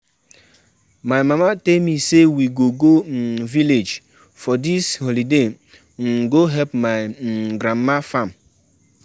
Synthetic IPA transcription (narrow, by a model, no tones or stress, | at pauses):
majmamatelmisewiɡoɡoviled͡ʒ | fɔdisholide | ŋ̩ɡoɦɛpmaɪɡɾamːafam